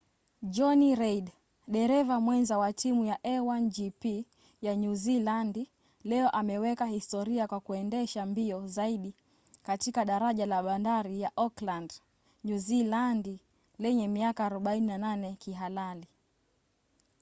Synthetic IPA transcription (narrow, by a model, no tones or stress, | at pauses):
ʄɔniɾɛiɗ | ɗɛɾɛvamwɛnzawatimujaʔɛwand͡ʒipi | jaɲuzilandi | lɛɔʔamɛwɛkahistɔɾiakwakuɛndɛʃambiɔzaiɗi | katikaɗaɾaʄalaɓandaɾijaʔɔkland | ɲuzilandi | lɛɲɛmiakaːɾɔɓaininananɛkiɦalali